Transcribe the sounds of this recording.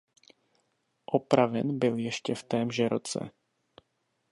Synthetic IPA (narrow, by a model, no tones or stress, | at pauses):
ʔopɾavɛnbɪljɛʃcɛft̪ɛːmʒɛɾot͡sɛ̰